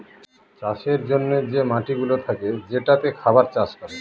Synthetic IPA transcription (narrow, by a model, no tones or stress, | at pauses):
t͡ɕaʃeɾd͡ʑonːed͡ʑemaʈiɡulot̪ʰaked͡ʑeʈat̪ekʰabaɾt͡ɕaʃkɔɾe